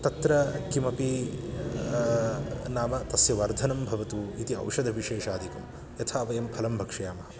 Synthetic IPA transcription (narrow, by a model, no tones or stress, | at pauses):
t̪ɐt̪ɾɐkimɐpi | naːmɐt̪ɐsjɐʋɐɾd̪ʱɐnɐmbʱɐʋɐt̪uit̪iɐ̰wʂɐd̪ʱɐbʱiʃeːʂaːd̪ʱikɐm | jɐt̪ʰaːʋɐjɐmpʰɐlɐmbʱɐkʂɐjaːmɐɦɐ